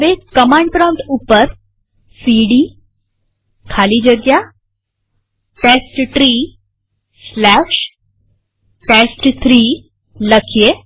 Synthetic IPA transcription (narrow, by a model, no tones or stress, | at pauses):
ʋekəmãɳɖpɾə̃nt̪upəɾ | siɽiː | kʰalid͡ʑəɾɡja | ʈesʈʈɾiː | slæɕ | ʈesʈt̪ʰɾiː | ləkʰje